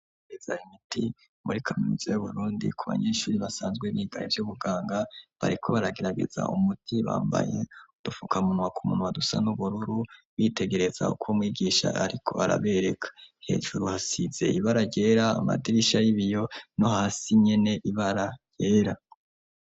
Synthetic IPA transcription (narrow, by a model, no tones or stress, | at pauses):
ɡez̥a̰imitʰi | muɾikʰaminuzojuβuɾuːndḭkʰuβa̰ɲe̞ːʃuːɾiβasaːnzɡweβiɡaevjuβuɡaːŋɡaβa̰ɾikʰo̞βaɾaɡe̞ɾaɡe̞̰za̰ʔumutʰiβa̰ːmba̰je̞d̥ufukamunwakumṵnwadusa̰nuβuɾuɾu | wite̞ɡe̞ɾe̞z̥a̰ukʰomwiːɡiːʃa̰aɾikʰo̞̰aɾa̰βe̞ɾe̞kʰḁhe̞̰ːʒuɾuhasiz̥e̞̰iβaɾaɟe̞ːɾaːma̰diɾiʃajiβijo̞no̞haːsiɲe̞ne̞ʔiβaɾaj̥e̞ːɾa